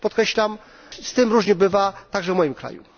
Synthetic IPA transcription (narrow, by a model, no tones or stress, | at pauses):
pɔt̪kɾɛɕlam | st̪ɘmɾuʐɲɛbɘvat̪aɡʐɛvmɔjimkɾa̰jṵ